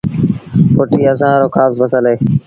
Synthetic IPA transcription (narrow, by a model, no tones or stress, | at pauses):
foːʈiːəs̬ãːɾoːkʰaːsməsəleː